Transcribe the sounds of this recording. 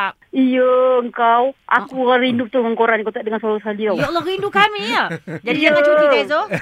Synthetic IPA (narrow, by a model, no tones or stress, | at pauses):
ijəəŋkawʔa̰kuarindut̪uŋəŋkoɾanŋkowt̪aʔdəŋansalʊsaliawdɔlɔɾindukamiəd͡ʒaidijaəat͡ʃuiazo